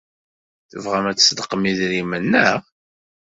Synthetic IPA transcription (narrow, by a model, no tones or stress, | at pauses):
θəvʁæmæt͡sːsd̪əqːəmiðɾimənːəʁ